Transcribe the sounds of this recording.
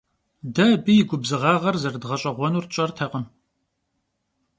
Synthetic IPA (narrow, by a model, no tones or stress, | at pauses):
dɐbijɪɡʷʊbzɨʁɑːʁɐrzɐrdʁɐɕʼɐʁʷɔnuːrt͡ʃʼɐrtʰɐqʼəm